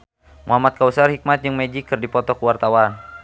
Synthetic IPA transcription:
muɦamat̪̚kausarhik̚mat̪̚d͡ʒɨŋmɛd͡ʒikːɨrdipɔt̪ɔkəwart̪awan

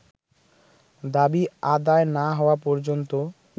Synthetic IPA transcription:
d̪abiad̪aenaɦɔapɔɾd͡ʑont̪o

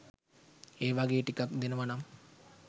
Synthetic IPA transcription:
eːʋaɡeːʈikakd̪enəʋanam

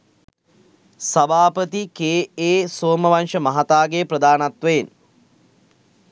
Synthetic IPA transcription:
sɐbʱaːpət̪ikeːeːsoːməʋanʂəmɐɦat̪aːɡeprəd̪aːnat̪ʋəjen

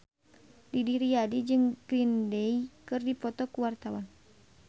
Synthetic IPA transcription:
didiɾiadid͡ʒɨŋɡɾindɛikɨrdipɔt̪ɔkuwart̪awan

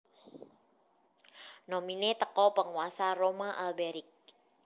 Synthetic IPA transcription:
nɔminet̪əkɔpəŋwasaromaʔalbɛɾik̚

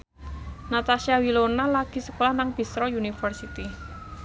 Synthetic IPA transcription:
nat̪asiawilonalaɡ̥i̤sə̥kolahnaŋb̥i̤sɾɔunifərsit̪i

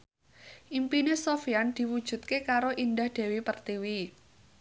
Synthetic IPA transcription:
ʔimpinesofiand̪̥i̤wud̥ʒ̥ṳt̪̚kekaɾoʔind̪ahd̪̥e̤wipərt̪iwi

